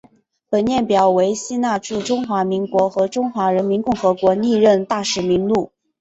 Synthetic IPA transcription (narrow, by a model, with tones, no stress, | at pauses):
pə˨˩nnjɛ˥˩npjɑ˨˩ʊwe˧˥ɪɕi˥na˥˧ʈ͡ʂu˥˩ʈ͡ʂʊ˥ŋxwa˧˥mi˧˥ŋkwɔ˧˥xɤ˧˥ʈ͡ʂʊ˥ŋxwa˧˥ɻə˧˥nmi˧˥nkʊ˥˩ŋxɤ˧˥kwɔ˧˥ni˥˧ɻə˥˧nt̪a˥˩ʂɻ̩˨˩mi˧˥ŋlu˥˩